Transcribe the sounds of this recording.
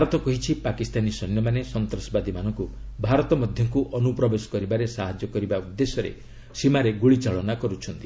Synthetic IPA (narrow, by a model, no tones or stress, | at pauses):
bʱaɾɔt̪ɔkɔɦit͡ʃʰipakist̪anisɔnːjɔmanesɔnt̪ɾɔsɔbad̪imanɔŋkubʱaɾɔt̪ɔmɔd̪ʱjɔŋkuʔɔnupɾɔbesɔ̥kɔɾibaɾesaɦad͡ʒɔkɔɾibaud̪ːesɔɾḛ | simaɾeɡuɭit͡ʃaɭɔnakɔɾut͡ʃʰɔnt̪i̥